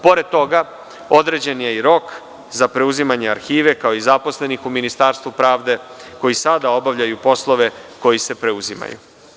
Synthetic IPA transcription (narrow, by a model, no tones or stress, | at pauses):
po̞ɾe̞d̪̚t̪o̞ɡa | o̞d̪ɾe̞d͡ʑe̞nijeiɾo̞k | zapɾe̞uzimaɲeaɾxiːʋe̞kao̞izapo̞sle̞nixuminist̪aːɾst̪ʋupɾaːʋd̪e̞ko̞jisad̪ao̞baʋʎajupo̞slˠo̞ʋe̞ko̞jise̞pɾe̞uzima̰jṵ